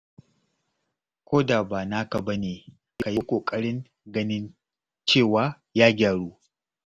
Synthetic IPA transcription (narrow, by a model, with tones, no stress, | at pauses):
kʷoː˦da˨baː˨na˦kɐ˨bɐ˦neː˨˦ | ka˨jiː˦kʷʼoː˨kʼɐ˦ɽɪ˦ŋ | ɡɐ˦nɪ˦n | t͡ʃeː˦˨waː˦ | jaː˦ɡʲaː˨ɽuː˦